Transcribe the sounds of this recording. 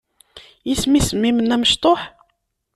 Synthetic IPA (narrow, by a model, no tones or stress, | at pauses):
jismisəmːimənːæməʃt̪ˤoħ